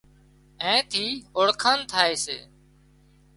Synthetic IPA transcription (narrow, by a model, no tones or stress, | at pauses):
ẽːt̪ʰiːoɽkʰaːnt̪ʰaːeːsḛː